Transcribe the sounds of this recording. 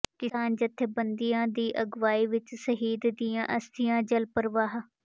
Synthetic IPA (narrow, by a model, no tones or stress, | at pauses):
kɪaːnd͡ʒət̪ʰːeːbənd̪ijãːd̪iːʔəɡʋaːiːʋɪt͡ʃsəɦiːd̪d̪ijãːʔəst̪ɪjãːd͡ʒəlpəɾʋaːɦ